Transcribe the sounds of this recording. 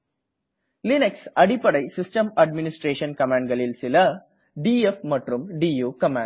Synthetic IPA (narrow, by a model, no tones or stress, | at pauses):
lɪneksɐɽipɐɽɐɪsɪsʈɐmɐɖmɪnɪsʈɾeːʂɐnkɐmãːɳɖɡɐɭɪlsɪlɐ | ɖiːefmɐʈrɯmɖiːjuːkɐmã̰ː